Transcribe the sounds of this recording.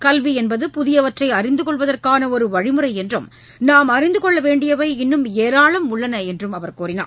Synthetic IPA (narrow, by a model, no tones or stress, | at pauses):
kɐlʋiɛnbɐðɯpʊðɪjɐʋɐʈrɐɪɐrɪnd̪ɯkɔɭʋɐðɐrkaːnɐɔɾɯʋɐɻɪmɯrɐɪɛndrɯm | naːmɐɾɪnd̪ɯkɔɭːɐʋeːɳɖɪjɐʋɐɪɪnːɯmeːɾaːɭɐmʊɭːɐnɐɛndrɯmɐʋɐɾkuːɾɪna̰ː